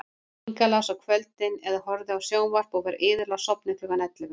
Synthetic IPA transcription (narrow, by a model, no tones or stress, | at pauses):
ŋkalasɔkʰvœlt̪ɪnɛðaɦɔɾðɪawsjoːwnvar̥pɔvɛɾɪːðʏɾlasɔpnɪt̪ʏɣanɛt̪lɪvʏ